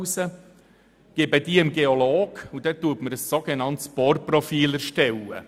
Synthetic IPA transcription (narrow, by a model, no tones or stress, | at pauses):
sə | ɡ̥eːbəd̥iːəmɡeoloːɡ̥ud̥ɛtuətməɾəsːoɡ̥enɑnt̪sb̥orprɔfiːləɾʃtɛwə̰